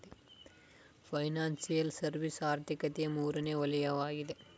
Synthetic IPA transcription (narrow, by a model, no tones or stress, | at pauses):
e | pʰɐjnaːnsijɐlsɐɾʋisaːɾt̪ʰikɐt̪ijɐmuːɾɐneːɔlɐjɐʋaːɡid̪e